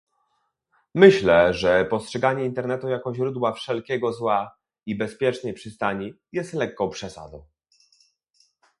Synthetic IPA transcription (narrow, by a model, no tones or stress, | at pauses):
mɘɕlɛʐɛpɔstʂɛɡaɲɛint̪ɛɾnɛt̪ujakɔʑɾud̪wafʂɛlkʲɛɡɔzwa | ibɛspʲjɛt͡ʂnɛjpʂɘst̪aɲi | jɛst̪lɛkːɔ̃w̃pʂɛsa̰d̪ɔ̃w̃